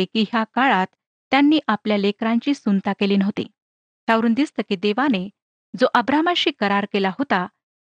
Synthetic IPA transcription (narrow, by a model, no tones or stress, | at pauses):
ekiːɦjakaɭat̪ː | janːiːʔapljalekɾãɲt͡ɕiːsunt̪akeliːnəɦt̪ḭ | t̪jaʋɾuːnd̪ist̪əːkiːd̪eʋane | d͡zoʔəbɾamaɕiːkəɾaɾkelaɦot̪a